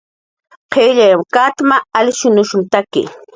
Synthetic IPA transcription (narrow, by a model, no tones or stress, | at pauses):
qʰeʎajmkat̪maalʃʊnʊʃʊmt̪akɪ̰